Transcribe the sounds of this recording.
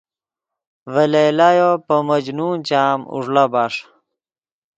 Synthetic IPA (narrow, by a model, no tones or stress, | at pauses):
vɐlelajopəmɐd͡ʑnuːnt͡ɕaːmṵʐlabaːʂ